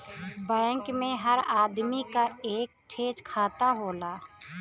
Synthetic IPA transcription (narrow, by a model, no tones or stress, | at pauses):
bɛ̃ːŋkmẽɦəɾaːd̪mikaeːk̚ʈʰeːd͡ʒkʰaːt̪aɦoːlaː